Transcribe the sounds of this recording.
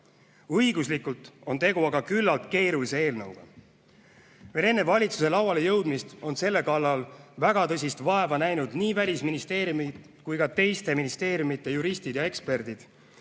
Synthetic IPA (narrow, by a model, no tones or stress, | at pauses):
ɤjɡuslikːult̪ˑo̞nt̪e̞ɡuɑɡɑkylːɑlt̪ke̞ːɾulise̞e̞ːlnɤwɡ̥ɑ̰ | ve̞le̞nːe̞vɑlʲit̪su̥se̞lɑwɑle̞jɤwd̪mist̪o̞nse̞lːe̞kɑlːɑlvæɡ̥ɑt̪ɤs̬ʲist̪vɑe̞vɑnæjnud̪niːvælʲisminist̪e̞ːɾjumid̪ | kujkɑt̪e̞jst̪e̞minist̪e̞ːɾjumit̪ːˑejuɾist̪id̪̥jɑe̞kspe̞rd̪̥id̪̥